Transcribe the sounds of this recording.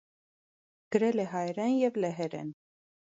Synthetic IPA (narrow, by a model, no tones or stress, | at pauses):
ɡ̥əɾɛlɛɦɑjɾɛnjɛvlɛɦɛɾɛ̰n